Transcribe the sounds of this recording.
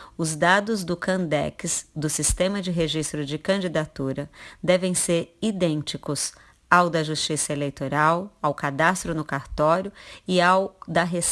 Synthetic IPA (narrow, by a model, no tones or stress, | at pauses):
ʊzd̪ad̪ʊzd̪ʊkɐ̃nd̪ɛ̰kɪsd̪ʊsist̪ẽmɐd͡ʒɪɦeʒist̪ɾʊd͡ʒɪkɐ̃d͡ʒid̪at̪uɾɐd̪ɛvẽj̃seɾid̪ẽnt͡ʃikʊs | awd̪ɐʒust͡ʃisɐelejt̪oɾawawkad̪ast̪ɾʊnʊkaɾt̪ɔɾjʊɪawd̪ɐɦes